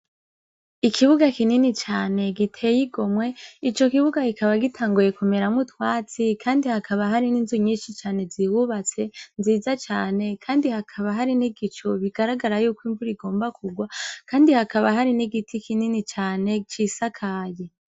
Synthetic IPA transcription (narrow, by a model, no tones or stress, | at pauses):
ikʰiβuɡakininit͡ʃaːne̞ɡitʰe̞jiɡo̞mwe̞it͡ʃo̞kiβuɡakikʰaβaɡitʰaːŋɡuje̞kume̞ɾamŋutwaːt͡sikʰaːndihakʰaβaɦaɾininzuɲiːnʃit͡ʃaːne̞ziwuβat͡se̞nziːzat͡ʃaːne̞kʰaːndihakʰaβaɦaɾiniɡit͡ʃoβiɡ̥aɾaɡaɾajuːkwiːɱvuɾiɡo̞ːmbakuɡwakʰaːndihakaβaɦaɾiniɡitʰikininit͡ʃaːne̞t͡ʃiːsakʰaːje